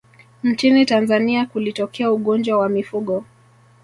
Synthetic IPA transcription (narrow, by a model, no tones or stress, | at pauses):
n̩t͡ʃinitanzaniakulitɔkʰɛauɠɔnd͡ʒwawamifuɠɔ